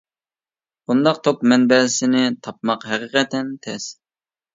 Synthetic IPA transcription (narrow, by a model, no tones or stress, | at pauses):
b̥und̪ɑqt̪ʰokmɛnbɛlɪsɪnɪt̪ʰɑp̚mɑqɦɛqəqɛt̪ɛnt̪ʰɛs